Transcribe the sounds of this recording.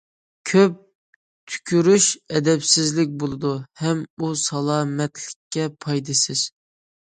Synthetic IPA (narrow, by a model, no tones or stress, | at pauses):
kʲʰøp̚ | t̪ʰy̥kʲʰyɾyʃɛd̪ɛpsɪzlɪk̚ʲbolˠɨd̪uhɛmusɑlˠɑːmɛt̪ʰlɪkʲʰːɛpʰɑjd̪ɨsɪz̥